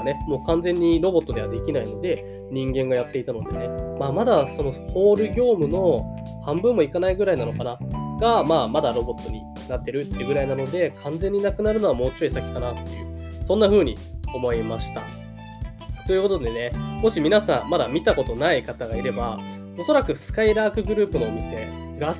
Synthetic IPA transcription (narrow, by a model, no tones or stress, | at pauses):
ne̞mo̞ːkãnd͡zẽ̞ɲ̟ːiɾo̞bo̞t̪ːo̞d̪e̞βad̪e̞kʲinaino̞d̪e̞ | ɲ̟ĩŋɡẽ̞ŋɡajat̪ːe̞it̪ano̞d̪e̞̰ne̞maːmad̪aso̞no̞ho̞ːɾɯ̟ɡʲo̞ːmɯ̟no̞ | hãmbɯ̟̃mːo̞ikanaiɡɯ̟ɾainano̞kanaɡ̥amaːmad̪aɾo̞bo̞t̪ːo̞ɲ̟i | nat̪ːe̞ɾɯ̟t̪ːeɯɡɯ̟ɾainano̞d̪e̞kʰãnd͡zẽ̞ɲ̟ːinakɯ̟naɾɯ̟no̞βamo̞ːt͡ɕoisakʲi̥kanat̪ːḛɯ̰ | sõ̞nːaɸɯ̟ːɲ̟i | o̞mo̞imaɕi̥t̪a̰ | t̪o̞jɯ̟ko̞t̪od̪e̞ne̞mo̞ɕimʲinasãmːad̪amʲit̪ako̞t̪o̞naikat̪aɡaiɾe̞ba | o̞so̞ɾakɯ̟sɨ̥kaiɾaːkɯ̟ɡɯ̟ɾɯ̟ːpɯ̟no̞omʲise̞ | ɡa